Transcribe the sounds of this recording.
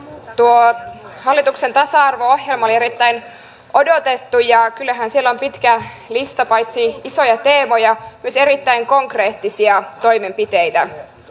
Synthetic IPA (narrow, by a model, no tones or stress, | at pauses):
t̪uohɑlːit̪ukse̞nt̪ɑsɑɑrʋoohje̞lmɑolie̞ɾit̪ːæin | ʔodo̞t̪e̞t̪ːujɑkylːæɦænsielːompit̪kæ | list̪ɑpɑjt̪siiso̞jɑt̪e̞ːmo̞jɑmyøseɾit̪ːæiŋko̞ŋkre̞ːt̪ːisiɑt̪o̞jme̞mpit̪ejt̪æ